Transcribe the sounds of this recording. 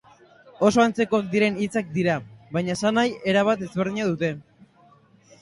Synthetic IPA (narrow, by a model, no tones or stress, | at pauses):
o̞so̞ant͡se̞ko̞ak̚d̪iɾe̞nit͡sak̚d̪iɾaβajɲaesanaje̞ɾaβ̞at̪e̞zβeɾðiɲaðut̪e̞